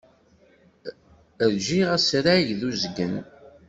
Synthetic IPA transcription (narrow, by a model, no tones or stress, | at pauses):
əɾʒiʁæsɾaʝðuzɡən